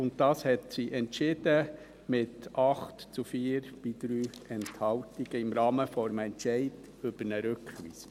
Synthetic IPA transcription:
ʊnt̚tɑːshɛtsiʔɛntʃɪd̥ə | mɪtʔɑχtt͡sufiːɾb̥id̥ɾyːɛnthɑltiɡ̥əɪmɾɑːməfɔɾmɛntʃɛɪd | ʏb̥əɾnəɾʉkʋḭːsə

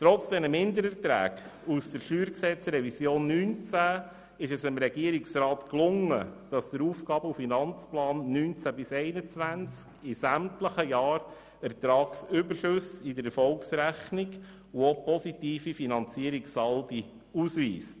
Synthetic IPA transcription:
tɾɔt͡sd̥ɛnəmɪndəɾɛɾtɾæ̰ːɡ | usd̥əɾʃyːɾksɛt͡sɾɛvisjoːnːyːnt͡sæ | ɪʃɛsɪmɾɛɡiəɾiksɾɑːtklʊŋəd̥ɑsd̥əɾuːfɡ̥ɑːbəufinɑnt͡splɑːnːyːnt͡sæbɪsɛɪnət͡sʋænt͡skɪsæmtləχəjɑːɾ | ɛɾt̪ɾɑːksʏbəʃøsɪdəɾɛɾfɔlksɾæχniɡ | uopɔsitiːfifinɑnt͡siəɾiksɑldi | uːsʋḭːst

